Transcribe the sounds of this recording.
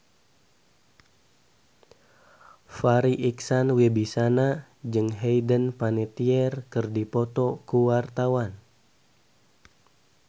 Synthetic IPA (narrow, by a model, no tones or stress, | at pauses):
faɾiʔiksanwebisana | d͡ʒɨŋɦɛjdənpanɛt̪iɛrkɨrdipɔt̪ɔkuwart̪awan